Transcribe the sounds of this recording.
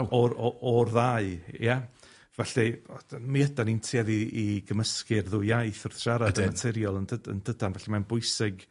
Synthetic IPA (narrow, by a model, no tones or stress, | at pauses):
ɔɔɔrðaɨjɛ | vɛɬɛmiədanintʰjaðiːɡəməskɪrðʊjajθɔrθʃaɾadmatʰɛɾjɔlˠəndədə̰nd̥ədanvɛɬɛmanbʊɨsɪɡ̥